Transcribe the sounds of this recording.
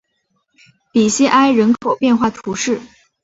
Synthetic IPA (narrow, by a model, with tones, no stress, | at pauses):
pi˨˩ɕɛ˥ʔa˥ɪɻə˧˥nkʰo˨˩ʊpjɛ˥˧nxwa˥˩t̪ʰu˧˥ʂɻ̩˥˩